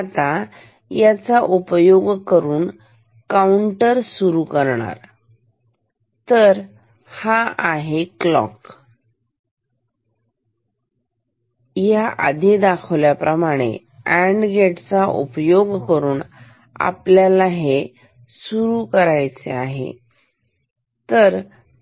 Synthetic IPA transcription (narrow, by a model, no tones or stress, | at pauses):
at̪a | jat͡saʔupjoɡkəɾuːn | kauɳʈəɾsuɾukəɾɳa̰ɾ | t̪əɾ | haaɦeklɔ̰k | jaʔa̰d̪ʱid̪akʰʋljapɾəmaɽ̃ḛ | æɳɖɡeʈt͡saʔṵpjoɡkəɾuːn | a̰pljalaɦe | suɾukəɾajt͡seaɦḛ | t̪əɾ